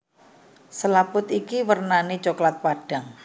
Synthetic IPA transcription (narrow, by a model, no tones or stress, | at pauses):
səlapʊt̪ikiwərnanet͡ʃoklat̪̚paɖ̥a̤ŋ